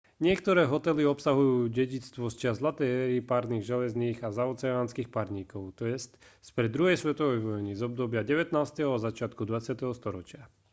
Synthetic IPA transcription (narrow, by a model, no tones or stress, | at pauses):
ɲɪɛkt̪ɔɾɛːɦɔt̪ɛliɔpsaɦujuːɟɛɟit͡st̪ʋɔst͡ʃɪazlat̪ɛɛɾipaɾniːɣʒɛlɛzniːɣazaɔt͡sɛaːnskiːxpaɾɲiːkɔʊt̪ɔɛstspɾɛd̪ːɾuɦɛjsʋɛt̪ɔʋɛjʋɔjnizɔbd̪ɔbɪaɟɛʋɛt̪naːst̪ɛɦɔazat͡ʃɪat̪kud̪ʋat͡sɪat̪ɛɦɔst̪ɔɾɔt͡ʃɪa